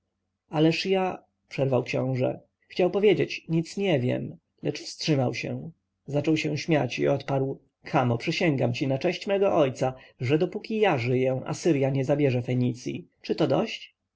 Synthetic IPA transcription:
alɛʂja | pʂɛɾvawkɕɔ̰̃w̃ʐɛ̰ | xt͡ɕawpɔvʲjed͡ʑet͡ɕɲit̪sɲɛvʲjɛ̰m | lɛt͡ʂfstʂɘmawɕɛ̰ | zat͡ʂɔwɕɛ̃ɕmʲjat͡ɕḭɔt̪paɾw | kʰamɔpʂɛɕɛŋɡamt͡ɕinat͡ʂɛɕt͡ɕmɛɡɔʔɔjt̪saʐɛd̪ɔpukʲijaʐɘjɛ̃ʔa̰sɘɾjaɲɛzabʲjɛʐɛfɛɲit̪sʲjḭt͡ʂɘt̪ɔd̪ɔɕt͡ɕ

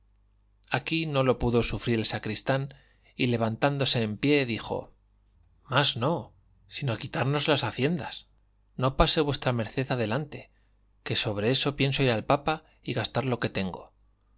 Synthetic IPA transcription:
akino̞lo̞puðo̞sufɾiɾelsakɾist̪an | ile̞β̞ant̪and̪o̞se̞ːmpje̞ðixo̞̰ | mazno̞ | sinoakit̪aɾno̞zlasaθje̞nd̪as | no̞pase̞βwe̞st̪ɾame̞ɾθe̞ðaðe̞lant̪e | ke̞so̞β̞ɾe̞e̞so̞pje̞nso̞iɾalpapa | iɣast̪aɾlo̞ke̞t̪e̞ŋɡo̞̰

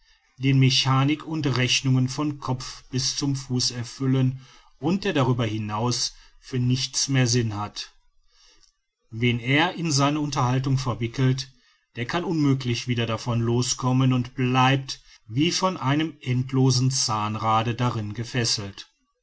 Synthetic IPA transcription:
d̥eːnmeçaːnɪkʰʊntʁɛçnʊŋənfɔnkʰɔp͡fb̥ɪst͡sʊmfuːsɛɐfʏlən | ʔʊnt̚d̥eːɐɾaʁyːbɐhɪnaʊs | fyːɐnɪçt͡smeːɐzɪnhat | vɛneːɐʔɪnzaɪnəʊntɐhaltʊŋfɛɐvɪkl̩t | d̥eːɐkʰanʊnmøːklɪçv̥iːdɐdafɔnloːskʰɔmənʊntb̥laɪp̚t | viːfɔnʔaɪnəmʔɛntʰloːzn̩t͡saːnʁaːdədaʁɪnɡəfɛsl̩t

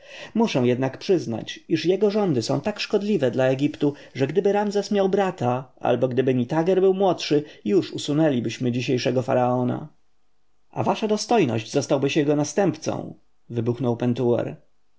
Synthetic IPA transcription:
muʂɛw̃jɛd̪nakpʂɘzna̰t͡ɕiʂjɛɡɔʐɔnd̪ɘsɔ̰̃w̃t̪akʂkɔd̪lʲivɛd̪laɛɡʲipt̪u | ʐɛɡd̪ɘbɘɾamzɛsmʲjawbɾat̪aʔa̰lbɔɡd̪ɘbɘɲit̪aɡɛɾbɘwmwɔtʂɘjuʂusunɛlʲibɘɕmɘd͡ʑiɕejʂɛɡɔfa̰ɾaɔna̰ | ʔa̰vaʂad̪ɔst̪ɔjnɔ̰ʑd͡ʑzɔst̪awbɘɕjɛɡɔnast̪ɛmpt̪sɔ̰̃w̃ | vɘbuxnɔwpɛnt̪uɛ̰ɾ

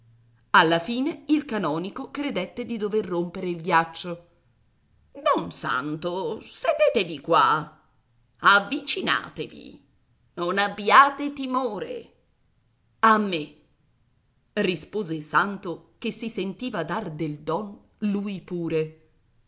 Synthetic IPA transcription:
alːafiːneilkanɔːnikokɾed̪et̪ːed̪id̪overːompeɾeilɡjat͡ʃːo | d̪ɔnsa̰nt̪osed̪eːt̪evikwa̰ | avːit͡ʃina̰ːt̪evḭ | nonabːjaːt̪et̪imoːɾḛ | amːe | rispoːzesant̪okesːisent̪iːvad̪ard̪eld̪ɔn | lujpuːɾe

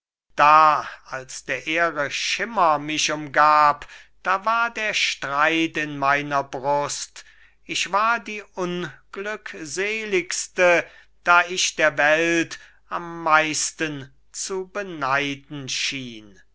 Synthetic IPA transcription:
d̥aːalsd̥eːɐʔeːʁəʃɪmɐmɪʃʊmɡaːpd̥aːvaːɐdeːɐʃtʁ̥aɪtɪnmaɪnɐbʁʊst | ɪʃv̥aːɐdiːʔʊnɡ̥lʏkzeːlɪkstə | d̥aːɪʃd̥eːɐvɛlt | amːaɪstən | t͡subənaɪdn̩ʃiːn

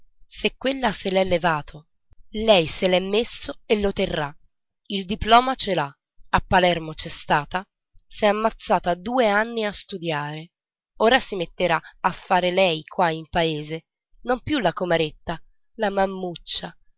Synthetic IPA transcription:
sekːwelːaselɛlːevaːt̪ʰo | lɛjselɛmːesːoelːot̪erːa | ild̪iplɔːmat͡ʃela | apːalɛrmot͡ʃɛst̪aːt̪a | sɛamːat̪sːaːt̪ad̪uːeanːiast̪ud̪jaːɾe | oːɾasimet̪ːeɾaafːaːɾelɛjkʰwaimpaeːze | nompjulːakomeɾet̪ːa | lamamːut͡ʃːa

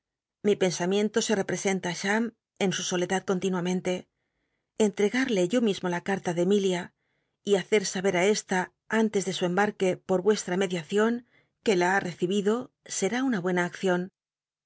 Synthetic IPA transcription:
mipe̞nsamjẽ̞nt̪o̞se̞re̞pɾe̞se̞nt̪aːʃam | e̞nsuso̞le̞ðaðko̞nt̪inwamẽnt̪e̞ | ent̪ɾe̞ɣaɾle̞ʝo̞mizmolakaɾt̪aðe̞milja | iaθe̞ɾsaβe̞ɾae̞st̪a | ant̪e̞zðe̞sue̞mbaɾke̞po̞ɾβwe̞st̪ɾame̞ðjaθjo̞ŋ | ke̞laare̞θiβiðo̞ | se̞ɾaunaβwe̞naːkθjo̞n

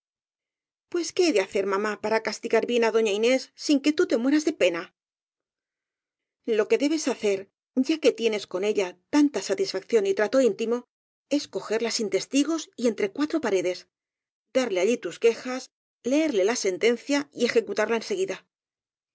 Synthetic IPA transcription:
pwe̞ske̞ajðeaθe̞ɾmamapaɾakast̪iɣaɾβje̞naðo̞ɲaine̞sːiŋke̞t̪ut̪e̞mwe̞ɾazðe̞pe̞na | lo̞ke̞ðe̞βe̞saθe̞ɾ | ɟ͡ʝake̞t̪je̞ne̞sko̞ne̞ʎat̪ant̪asat̪isfakθjo̞nit̪ɾat̪o̞int̪imo̞ | e̞sko̞xe̞ɾlasint̪e̞st̪iɣo̞sie̞nt̪ɾe̞kwat̪ɾo̞paɾe̞ðe̞s | d̪aɾleaʎit̪uske̞xas | le̞eɾle̞lase̞nt̪e̞nθjaie̞xe̞kut̪aɾlae̞nse̞ɣiða

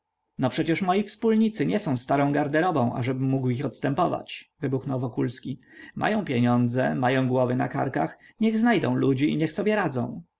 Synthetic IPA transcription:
nɔpʂɛt͡ɕɛʂmɔjifspulɲit̪sɘɲɛsɔ̃w̃st̪aɾɔ̃w̃ɡaɾd̪ɛɾɔbɔ̃w̃ʔa̰ʐɛbɘmːuɡwixɔt̪st̪ɛmpɔva̰t͡ɕvɘbuxnɔwvɔkulskʲimʔa̰jɔ̃w̃pʲjeɲɔnd̪zɛ̰majɔ̃w̃ɡwɔvɘna̰ka̰ɾkax | ɲɛɣznajd̪ɔ̰̃w̃lud͡ʑiḭɲɛxsɔbʲjɛɾad̪zɔ̰̃w̃

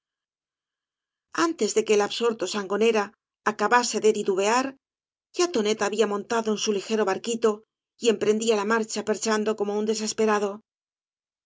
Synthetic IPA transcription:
ant̪e̞zðe̞ke̞ːlaβso̞ɾt̪o̞saŋɡo̞ne̞ɾaː | kaβase̞ðed̪iðuβe̞aɾ | ʝat̪o̞ne̞t̪aːβiamõ̞nt̪aðoensulixe̞ɾo̞βaɾkit̪o̞ | ie̞mpɾe̞nd̪ialamaɾt͡ʃape̞ɾt͡ʃand̪o̞ko̞mo̞und̪e̞s̬e̞spe̞ɾaðo̞

